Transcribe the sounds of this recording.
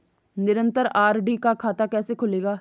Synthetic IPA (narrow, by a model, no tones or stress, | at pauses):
nɪɾə̃nt̪əɾaːɾɖikakʰaːt̪akɛːsekʰʊleːɡaː